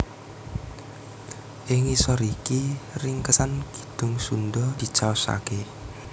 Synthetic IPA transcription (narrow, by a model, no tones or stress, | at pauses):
ʔɪŋisɔɾikirɪŋkəsanɡ̥i̥d̪̥ʊ̤ŋsundɔd̪̥i̤t͡ʃaɔsa̰ke